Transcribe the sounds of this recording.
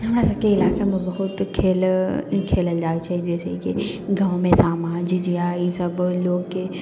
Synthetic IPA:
ɦɐmɾasɐb̚keɪlaːkamẽbɐɦʊt̪kʰeːlkʰeːləld͡ʒaːit͡ʃʰaːd͡ʒɛːsekiɡɐʋ̃mẽsaːmaːd͡ʒd͡ʒijaːjisɐbloːɡke

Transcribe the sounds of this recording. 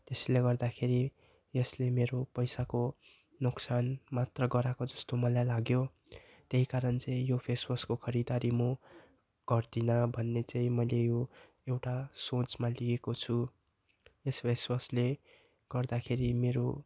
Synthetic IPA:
t̪esleɡʌrd̪akʰeɾi | jʌslemeɾopʌjsako | noksanmat̪rʌɡʌɾakod͡zʌst̪omʌlajlaɡjo | t̪eɦikaɾʌnt͡sʌ̃ĩjopʰeswʌskokʰʌɾid̪aɾimo | ɡ̥ʌrd̪inʌbʱʌnːet͡saĩmʌjlejo | ewʈasot͡smaliɡekot͡sʰu | jespʰeswʌsle | ɡ̥ʌrd̪akʰeɾimeɾo

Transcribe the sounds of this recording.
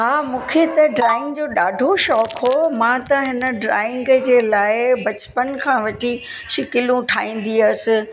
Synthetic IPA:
ɦaːmũːkʰet̪ɐɖɾaːɪ̃ŋɡd͡ʑoːɗaːɖʱoʃɔːkɦomãːt̪ɐɦɪnə̆ɖɾa̰ːɪ̃ŋɡd͡ʑeːlaːɪbɐt͡ɕpənkʰãːʋɐʈiʃɪkɪlũʈʰaːĩːn̆d̪iɐsɪ̆

